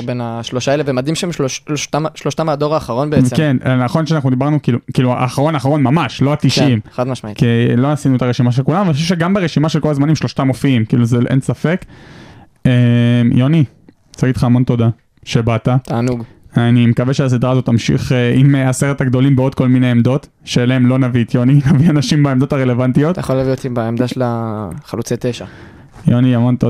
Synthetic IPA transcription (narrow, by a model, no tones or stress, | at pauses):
benaʃloʃaelevemad̪imʃeemʃlʃloʃt̪amʃloʃt̪amad̪oʁaːχaʁo̞nbeeekennaχo̞nʃeanaχnud̪ibaʁnukiːlukiːlṵa̰ːχaʁo̞naχaʁo̞nmamaʃlo̞at̪iʃimad̪maʃmaikilo̞nasinuet̪aʁeʃimaʃelkulamuvanixoʃef̬ʃeɡambeʁeʃimaʃelko̞lazmanimʃlo̞ʃtamofiimkḭːluzeʔḛnsafe̞k | emjo̞ni | t͡saɡitlχaːmo̞nt̪o̞d̪a | ʃebat̪at̪aːnuɡ | animekaveʃeas̬id̪ʁaːzo̞t̪ːamʃḭχeʔimeaseʁet̪aɡd̪o̞limbeo̞d̪̚ko̞lmineemd̪o̞t̪ | ʃeeleemlo̞navit̪joninavianaʃimbaemdo̞taʁe̞le̞vant̪ijo̞t̪jχolaviotibaemd̪aʃelaχalut͡set̪eʃa | joniamo̞nt̪o